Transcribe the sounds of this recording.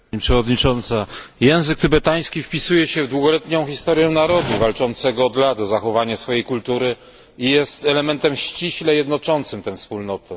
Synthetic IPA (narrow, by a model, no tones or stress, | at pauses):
ɲipʂɛvɔd̪ɲit͡ʂɔnt̪sajɛ̃w̃zɘk̚t̪ɘbɛt̪aj̃skʲifpʲisujɛɕɛvd̪wuɡɔlɛt̪ɲɔ̃w̃xʲist̪ɔɾjɔ̃naɾɔd̪uvalt͡ʂɔnt̪sɛɡɔːd̪lad̪ɔzaxɔvaɲasfɔjejkult̪uɾɘ | ijɛst̪ɛlɛmɛnt̪ɛmɕt͡ɕiɕlɛjɛd̪nɔt͡ʂɔnt̪sɘmt̪ɛ̃fspulnɔt̪ɔ